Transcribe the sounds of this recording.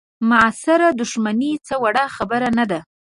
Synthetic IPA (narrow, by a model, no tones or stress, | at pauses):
mʊasɪɾad̪ʊʃmanit͡səwaɽaxabəɾanad̪a